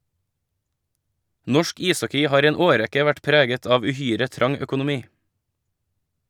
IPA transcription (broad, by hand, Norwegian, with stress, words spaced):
ˈnɔʃk ˈiːˌsɔkɪ ˈhɑːɾ ˈiː ˈeːn ˈoːˌɾɛkə ˈʋæʈ ˈpɾeːɡət ˈɑːʋ ʉˈhyːɾə ˈtɾɑŋ œkʊnʊˈmiː